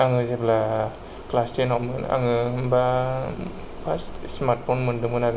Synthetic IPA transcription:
aŋɯzebla | klastenamɯna̰ŋɯɯmba | pʰastsmaɾʈ̚pʰonmɯndɯmɯnaɡɯ

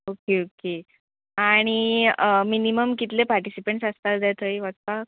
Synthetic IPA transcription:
okeoke | aɽ̃iminiməmkit̪lepaɾʈisipeɳʈsast̪at̪d̪jat̪ʰəjʋat̪ka

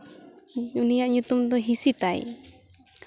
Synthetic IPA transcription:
unijaʔɲut̪umd̪ɔɦisit̪aj

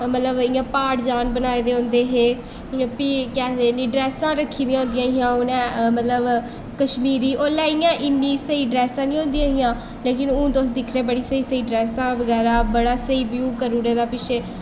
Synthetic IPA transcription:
mət̪ləbɪːãːpaːʈd͡ʒaːnbənaːiːd̪eːɦõnd̪eːɦeː | pikɛːd̪eːnĩːɖɾɛːsãːɾəkʰːiːd̪ĩjãɦõnd̪ijãːɦijãːʊnɛ̃ːmət̪ləb | kəʃmiːɾiːʔoːlɛːiːjãːʔɪnːĩːsəiːɖɾɛːsãːnĩːɦõːnd̪ijãːɦijãː | leːk̬ɪnũːd̪os̬d̪ɪkʰɾeːbəɽiːsəiːsəiːɖɾɛːsãːʋəɡɛːɾaːbəɽaːsəiːbjuːkəɾuːɾeːd̪aːpɪʃʰeː

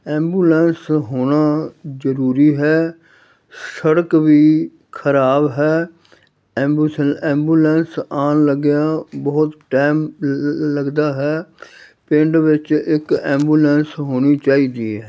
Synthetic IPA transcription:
ɛ̃ːmbuːlɛ̃ːnsɦoːnaːzəɾuːɾiːɦɛː | səɽəkʋiː | kʰəɾaːbɦɛː | ɛmbsɛ̃ːmbuːlɛ̃ːnsaːnləɡɪjãːbəʊt̪ʈaːmləɡd̪aːɦɛː | pɪɳɖʋɪt͡ʃɪkɛ̃ːmbuːlɛːnsɦoːniːt͡ʃaːiːd̪iːɦɛː

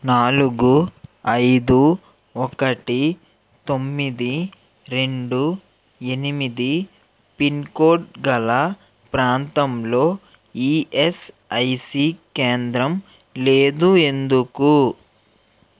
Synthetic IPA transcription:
naːluɡuɐjd̪u | ɔkɐʈi | t̪omːid̪i | ɾe̞ɳɖu | e̞nimid̪i | pinkoːʈɡɐlɐ | pɾaːnt̪ɐmlo̞ː | iːes | ɐjsiːkeːnd̪ɾɐm | leːd̪ue̞nd̪uku

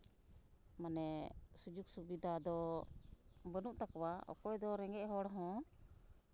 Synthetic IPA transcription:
manɛsud͡ʒuk̚subid̪ad̪ɔ | bənuʔt̪akɔwaɔ̰kɔjd̪ɔɾɛŋɡɛʔɦɔɽɦɔ̃

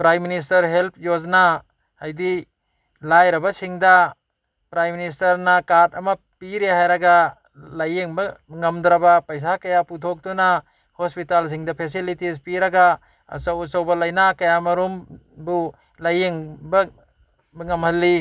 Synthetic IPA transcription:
pɾajmːinis̬tɐɾɦelp̚ʰjozna | hajdi | lajɾɐbasiŋda | pɾajministɐɾnakatɐma | piɾeɦajɾaɡa | lajiŋbaŋɐmdɾabapɐjs̬akɐjaputʰɔk̚duna | hospitals̬iŋdapʰes̬ilitispiɾaɡa | ɐ̰sawusawbɐlajnakɐjamɐɾumbu | lajiŋba | bŋɐmhɐlːi

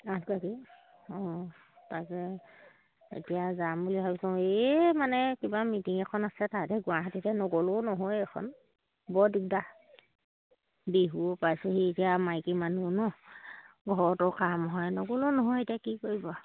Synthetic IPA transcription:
atʰkaki | ɔ | takɛ | ḛtijazambuliɦɔbsɔ̃emanɛkibamitiŋɛkʰɔnasɛtatɛɡʊaɦatitɛnɔɡolonɔɦojɛkʰɔ̰n | bɔdik̚da | beɦuopajsɛhietijamajkimanunɔ | ɡʱɔɹɔtɔkamɦɔjnɔɡolonɔɦɔjetijakikoɹibɔ

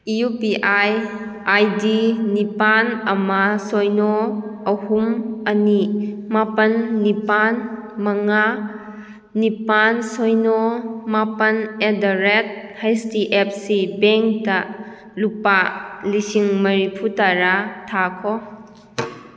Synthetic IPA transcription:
iupiʔaj | ajdinipanɐmasɔjnɔɐhumɐnimapɐnːipanmɐŋa | nːipansɔjnɔmapɐnedaɾet̚hajstiʔep̚sibeŋk̚ta | lupalisiŋmɐɾipʰutaɾatʰakʰɔ

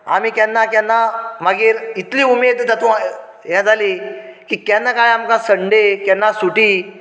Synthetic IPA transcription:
a̰miːkjɛnːakjanːaməɡiːɾit̪liːumed̪t̪at̪ũ | jãd͡zaliːkiːkjɛnːakajamkãsəɳɖekɛnːasuʈiː

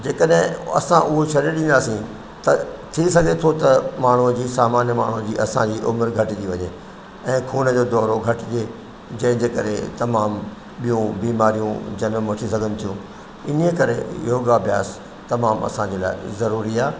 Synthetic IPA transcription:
d͡ʑeːkəɗɦɪ̃ɐ̰sãʔʊɦot͡ɕʰɐɾeɗĩːnd̪aːsĩ | t̪ɐt̪ʰisɐɡʱet̪ʰot̪ɐmaːɳ̤ũd͡ʑiːsaːmaːnjəmaːɳ̤ud͡ʑḭːʔɐsãd͡ʑiːʔʊməɾɡʱɐʈid̪iʋɐɲeː | ɛ̃ːkʰuːnəd͡ʑoːd̪ɔːɾoɡʱɐʈɪd͡ʑeː | d͡ʑɐ̃ːɪ̃d͡ʑeːkɐɾḛt̪ɐmaːm | ɓijũbiːmaːɾijũd͡ʑɐnmʋɐʈʰisɐɡʱənɪ̆t̪ʰijũ | ɪniekɐɾḛɪ̰ɦoɡabʱja̰ːs | t̪ɐmaːmɐ̰sãɲd͡ʑeːla̰ːɪzɐɾuːɾiaː

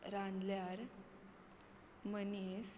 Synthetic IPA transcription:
ɾand̪ljaɾ | mənis

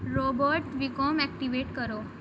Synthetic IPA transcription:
ɾobəɾʈʋikomæk̚ʈiʋeʈkəɾo

